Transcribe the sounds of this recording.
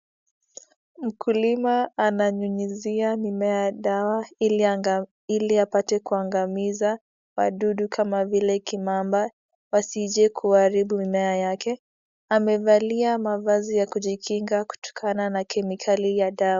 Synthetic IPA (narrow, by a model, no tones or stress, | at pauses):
m̩kʰulimaːnaɲuɲiziamimɛaɗawai | iliapatɛkuaŋɡamiza | wa̰ɗuɗukʰamavilɛkimamba | wasiʄɛkʰuaɾiɓumimɛajakɛ | amɛvaliamavazijakuʄikʰiŋɡaku̥tɔ̥kʰananakʰɛmikʰalijaɗawa